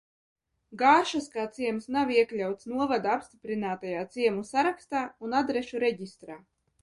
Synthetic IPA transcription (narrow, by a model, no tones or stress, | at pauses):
ɡaːɾʃaskaːt̪siɛmsnawiɛklʲawt̪snuɔvad̪aapst̪ipɾinaːt̪ajaːt̪siɛmusaɾakst̪aːunad̪ɾeʃuɾeɟist̪ɾaː